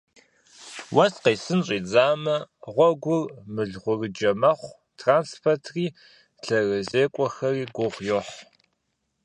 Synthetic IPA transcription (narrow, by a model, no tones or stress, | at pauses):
wɐsqeːsɨnɕʼiːd͡zaːmɐʁʷɔɡʷʊrmɨɮʁʷʊrɨd͡ʒɐmɐχʷ | tʰraːnspʰɐrtʰriː | ɬʰɐrɐzeːkʷʼɔxɐriːɡʷʊʁʷjoħ